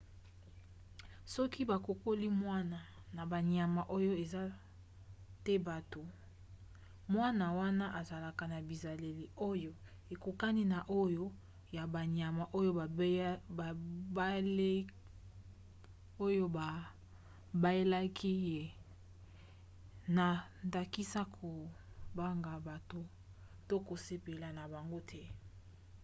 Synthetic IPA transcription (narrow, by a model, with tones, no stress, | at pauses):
sɔ˦ki˦ba˨ko˨ko˦li˦mwa˦na˨na˨ba˨ɲ˨a˨ma˨ʔo˦jo˦e˨za˦ | te˦ba˨to˨ | mwa˦na˨wa˦na˦ʔa˨za˨la˨ka˨na˨bi˨za˨le˨li˨o˦jo˦ | e˨ku˨ka˦ni˦na˨ʔo˦jo˦ | ja˨ba˨ɲa˨ma˨ʔo˦jo˦˨˦ba˨ba˦le˦ | o˦jo˦a˨ | ba˦je˦la˦kʰi˦je˨ | na˨ | nda˨ki˦sa˦kʰo˨ | ba˦ŋɡa˨ba˨to˨ | to˦ko˨se˦pe˨la˨na˨ba˨ŋɡo˦tʰɛ˦